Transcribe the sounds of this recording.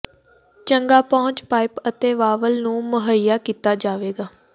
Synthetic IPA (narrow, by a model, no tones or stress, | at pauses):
t͡ʃəŋɡaːpɔːʊ̃ɲt͡ʃpaːɪpət̪eːʋaːʋəlnũːməɦəjːaːkiːt̪aːd͡ʒaːʋeːɡaː